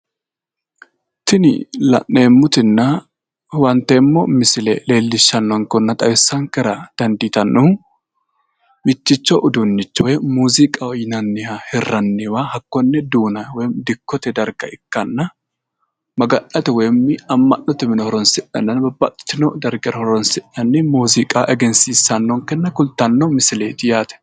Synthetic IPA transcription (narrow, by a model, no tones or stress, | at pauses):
t̪ɪnɪ̰lɐ̰ʔeːmːʊt̪ɪnːɐ | wɐnt̪ːemːɔmɪsɪlɛ̰le̞ːlːɪʃːɐnːɔŋkɔnːɐt̪ʼɐwɪsːɐŋkɛɾɐd̪̥ɐnd̪ɪt̪ɐnːɔ | mɪt͡ʃːɪt͡ʃːɔʔʊd̪ʊnːɪt͡ʃːɔwɛmuːzɪkʼɐɔjɪnɐnːɪhɐhɛrːɐnːɪwahɐkːɔnːɛd̪uːnɐwɔmd̪ɪkːɔt̪ɛd̪ɐɾɡɐɪkːɐnːɐ | mɐɡɐnɐt̪ɛwejmːɪɐmːɐnːɔt̪ɛmɪnɔhɔɾɔnsɪᶑɐnːɐnbɐbːa̰t̪ːɪ̥t͡ʃːɪnɔd̪ɐɾɡɛɾhɔɾɔnsɪᶑɐnːɪmuːzɪkʼaːʔɛɡɛnsiːsːɐnːɔŋkɛnːɐkʊlt̪ɐnːɔmɪsɪleːt̪ɪjaːt̪ɛ̥